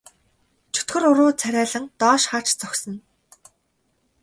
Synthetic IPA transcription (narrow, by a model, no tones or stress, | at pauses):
t͡ɕʰɵ̥t̪xɵ̆rʊɾʊːt͡sʰæɾʲæːɮə̆ŋt̪ɔːʃχar̥t͡ɕt͡sœxʲsɞ̆n